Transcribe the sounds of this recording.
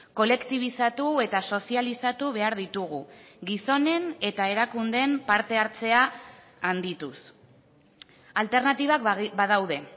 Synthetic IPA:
ko̞le̞kt̪iβ̞isat̪ue̞t̪aso̞sialisat̪uβ̞e̞aɾðit̪uɣuɡiso̞ne̞ne̞t̪ae̞ɾakund̪e̞mpaɾt̪e̞aɾt͡se̞aː | nd̪it̪us | alt̪e̞ɾnat̪iβ̞akbaðawð̞e̞

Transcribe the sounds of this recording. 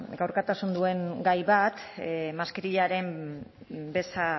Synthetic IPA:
ɡawɾkat̪asund̪ue̞ŋɡajβat̪maskiɾiʎaɾe̞m | be̞sa

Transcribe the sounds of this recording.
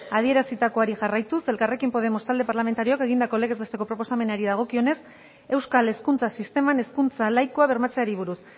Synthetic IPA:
að̞ie̞ɾasit̪ako̞aɾixarajt̪use̞lkare̞kimpo̞ð̞e̞mo̞st̪ald̪e̞paɾlament̪aɾio̞ake̞ɣind̪ako̞le̞ɣe̞zβe̞st̪e̞ko̞pɾo̞po̞same̞naɾiðaɣ̞o̞kio̞ne̞s | e̞wskale̞skunt͡sasist̪e̞mane̞skunt͡salajko̞aβe̞ɾmat͡se̞aɾiβ̞uɾus

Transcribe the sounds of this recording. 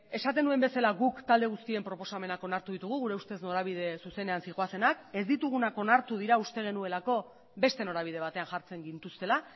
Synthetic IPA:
e̞sat̪e̞nue̞mbe̞salaɣukt̪ald̪e̞ɣust̪ie̞mpɾo̞po̞same̞nako̞naɾt̪uðit̪uɣ̞uɣuɾe̞ust̪e̞zno̞ɾaβ̞ið̞e̞suse̞ne̞ansiɣoase̞nake̞zd̪it̪uɣ̞unako̞naɾt̪uðiɾaust̪e̞ɣ̞e̞nue̞lako̞ | be̞st̪e̞no̞ɾaβ̞ið̞e̞βat̪e̞anʝaɾt͡se̞ŋɡint̪ust̪e̞la

